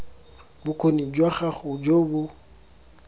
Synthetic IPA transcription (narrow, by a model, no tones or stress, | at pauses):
bʊkʰonid͡ʒwaχaχʊd͡ʒoːbʊ